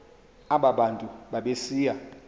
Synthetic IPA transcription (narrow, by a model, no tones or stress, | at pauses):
aɓaɓantʼuɓaɓesiːja